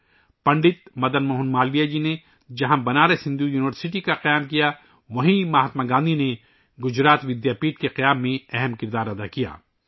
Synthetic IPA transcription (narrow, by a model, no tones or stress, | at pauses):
pɐ̃ɳɖɪt̪mɐd̪ənmoːɦʊnmaːlʋijad͡ʒine | d͡ʒɐɦãbɐnaːɾesɪ̃nd̪ujuːnɪʋəɾsɪʈ̬ikaqɐjaːmkija | ʋɐɦimaːɦət̪maɡãːnd̪ʱine | ɡʊd͡ʒɾaːt̪ʋɪd̪jaːpiːʈ̚keqɐjaːmːẽɛɦɛmkɪɾd̪aːɾɐd̪akija̰ː